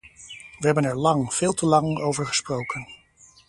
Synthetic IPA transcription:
ʋəɦɛbənɛɹlɑŋv̥ɪːlˠtəlɑŋowvəɹχə̥sprowkən

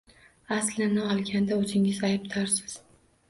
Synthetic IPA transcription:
aslɪnɪɒlˠɡʲand̪aɵzɪŋɪzajbt̪ʰaɾsɪz̥

